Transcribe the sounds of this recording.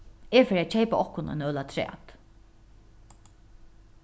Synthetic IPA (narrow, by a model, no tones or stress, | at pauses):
ɛfɛɾat͡ʃʰejpaʔɔhkʊnɔ̰nœːlat̪ʰɾɛ̰ːt̪